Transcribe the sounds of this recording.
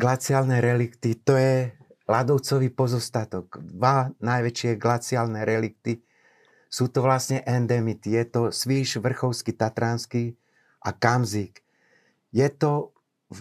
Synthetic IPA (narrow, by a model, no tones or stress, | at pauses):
ɡlat͡siaːlnɛɾɛlikt̪it̪ɔjɛ | lad̪ɔʊt͡sɔʋiːpɔzɔst̪at̪ɔkd̪ʋanajʋɛt͡ʃɪɛɡlat͡sialnɛɾɛlik̚t̪i | suːt̪ɔʋlasɲɛʔɛnd̪ɛmit̪ijɛt̪ɔsʋiːʃʋr̩xɔʊskit̪at̪ɾanski | ʔakamziːk | jɛt̪ɔ